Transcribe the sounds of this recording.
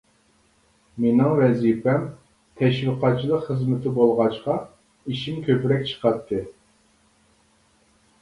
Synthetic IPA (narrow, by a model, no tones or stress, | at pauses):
menɪŋwɛzipɛm | t̪ʰɛʃwiqɑt̪̚t͡ʃʰilˠəqχəzmɪt̪ʰɪbolˠʁɑʃqɑ | iʃimkʲʰøpɾɛkʲt͡ʃʰə̥qɑt̪ʰːɨ